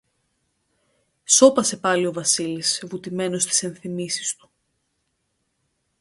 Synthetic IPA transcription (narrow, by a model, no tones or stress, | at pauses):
so̞pɐse̞pɐlio̞vɐsilisvut̪ime̞no̞st̪i̥se̞nθimisi̥st̪u̥